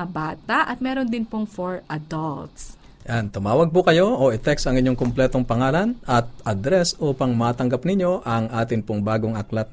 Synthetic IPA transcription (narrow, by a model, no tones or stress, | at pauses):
ɐbaːt̪ɐʔɐt̪̚mɛːɾond̪ɪnpoŋfoɹɐd̪ɐlt̪s | jant̪ʊmaːwɐɡ̚pʊkɐjo̞ʔoʔɪt̪ɛksɐŋʔɪɲjoŋkʊmplɛːt̪o̞ŋpɐŋaːlɐnʔɐt̪̚ʔɐd̪ɾɛsʔuːpɐŋmaːt̪ɐŋɡapnɪɲjo̞ʔɐŋʔaːt̪ɪnpoŋbaːɡoŋɐklat̪̚